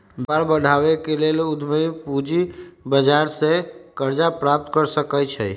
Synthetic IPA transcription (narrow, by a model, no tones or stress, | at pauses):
baɾbəɽʱaβekelelud̪məjpud͡ʒibəd͡ʒaɾsẽkəɾd͡ʒapɾap̚t̪kəɾsəkət͡ʃʰəj